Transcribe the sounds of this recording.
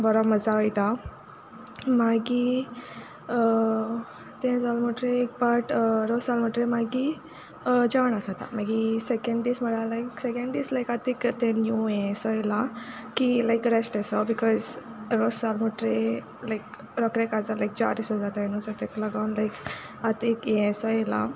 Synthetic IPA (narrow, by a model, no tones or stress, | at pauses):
bəɾɔməd͡zaəjt̪a | maɡi | ə | t̪ẽd͡zalməʈɾek̚baʈɾosalməʈɾẽmaɡi | əd͡ʑaʋɳasat̪a̰maɡisekẽɳɖisməɽalajksekẽɳɖiːslajkat̪ekt̪ẽnjuẽsɔjelakilajkɾesʈɛsɔbikɔzɾosalməʈɾe | lajk | ɾɔkɾẽkad͡zalajk̚d͡ʑa̰ɾisud͡zat̪ainusət̪eklaɡaʋnlajk | at̪ekẽsɔjela̰